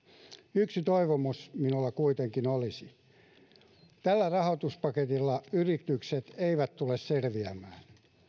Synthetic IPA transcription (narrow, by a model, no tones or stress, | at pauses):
yksit̪oiʋomusminulːɑkuit̪eŋkinolisi | t̪ælːærɑhot̪uspɑket̪ilːɑyrit̪ykset̪eiʋæt̪t̪ulesselʋiæmæːn